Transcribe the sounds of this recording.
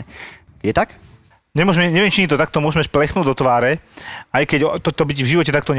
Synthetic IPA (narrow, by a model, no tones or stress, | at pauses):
jɛt̪ak | ɲɛmʊɔʒmɛɲɛʋɪɛmt͡ʃimit̪ɔt̪ak̚t̪ɔmʊɔʒmɛsplɛxnuːd̪ɔt̪ʋaːɾɛajkɛɟt̪ɔt̪ɔbiɟvʒiʋɔcɛt̪akt̪ɔɲ